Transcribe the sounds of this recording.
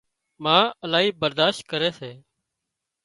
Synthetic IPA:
mãːəlaːɦiːbəɾd̪aːʃt̪̚kəɾeːseː

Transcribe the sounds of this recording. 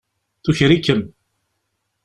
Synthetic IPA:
θuçɾikːəm

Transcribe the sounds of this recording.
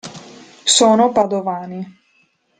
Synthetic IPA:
soːnopad̪ovaːni

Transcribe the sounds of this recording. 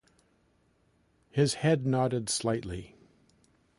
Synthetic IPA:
hɪz̥hɛdⁿnɑɾɨdslaɪʔˡli

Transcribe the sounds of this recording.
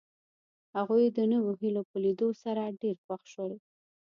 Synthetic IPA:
haɣujd̪ənəwoɦilopəlid̪osaɾaɖeɾxwaxʃəwe

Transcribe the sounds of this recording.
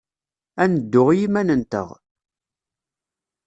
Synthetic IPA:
ænəd̪ːʊʁjimænənt̪ə̰ʁ

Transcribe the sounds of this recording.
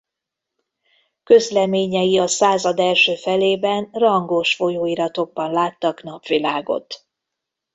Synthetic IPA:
kø̞zlɛmeːɲɛjiɒsaːzɒd̪ɛlʃøːfɛleːbɛnrɒŋɡoʃfo̞joːiɾɒt̪o̞ɡ̚bɒnlaːt̪ːɒknɒpʋilaːɡo̰t̪

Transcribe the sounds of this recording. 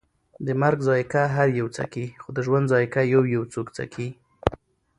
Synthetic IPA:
d̪əmaɾɡzɑjkaɦaɾjawt͡sa̰kixod̪əʒwand̪zɑjkajawjawt͡sokt͡sa̰kʰi

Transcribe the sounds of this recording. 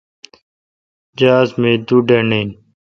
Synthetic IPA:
d͡ʒəaːzmĩːd̪uːɖeːneːn

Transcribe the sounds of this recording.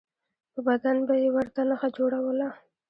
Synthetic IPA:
pəbad̪anbajewəɾt̪anəxad͡ʒoɽawəla

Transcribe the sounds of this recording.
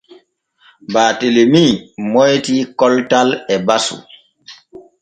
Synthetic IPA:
baːtelemimojtikɔltalɛbasṵ

